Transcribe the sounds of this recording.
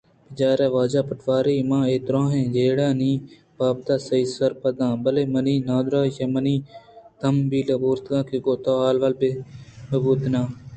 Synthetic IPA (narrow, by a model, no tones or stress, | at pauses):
bɪd͡ʒaːɾeːʋaːd͡ʒaːpəʈʰʋaːɾiːmãːeːt̪ɾõːɦẽːd͡ʒeːɽãːnĩː | paːb̚t̪aːsəiːsəɾpəd̪ãːbəleːməniːnãːd̪ɾaːjemənĩːt̪əmbiːlɐboːɾt̪ɡãːkiɡoːt̪aːaːlʋəlbeməbuːt̪nãː